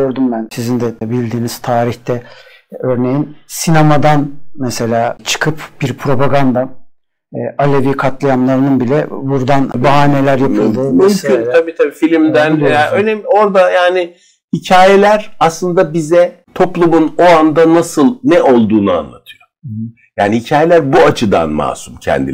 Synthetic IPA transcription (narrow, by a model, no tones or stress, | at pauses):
øɾd̪umbænsizind̪ɛt̪ʰɛbilʲd̪iːniz̥t̪ʰaːɾiçt̪ɛ | øɾne̞jinsinamad̪anmɛse̞lʲaːt͡ʃʰɯ̥kʰɯpb̥iɾpʰɾo̞paɡand̪a | ʔalʲeviːkʰat̪lˠajamlˠaɾɯnɯnbilʲɛbuɾd̪anbaɦaːne̞lʲæɾjampʰlˠd̪umymʰynnt̪ʰabiːt̪ʰabiːfilʲimd̪ænjaːønemo̞ɾd̪ajaːnɪ | hicʰaːjelʲæɾaslˠɯnd̪abizɛ | t̪ʰo̞plˠumunoand̪anasɯlˠnɛʔo̞lˠd̪uːnua̰nlˠa̰t̪ʰɯ̥jo | jaːnihicʰaːjelʲæɾbuat͡ʃʰɯd̪a̰nma̰ːsumcʰɛ̰nd̪ḭ